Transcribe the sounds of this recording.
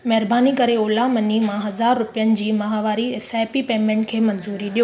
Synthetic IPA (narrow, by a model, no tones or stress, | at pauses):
mɐɦɾbaːnikɐɾeoːlamɐnimãɦɐzaːɾːʊpijənɪ̆d͡ʑiːmɐɦaʋaːɾiesaːɪpipeːmẽːɳʈkʰeːmɐnzuːɾiɗijoː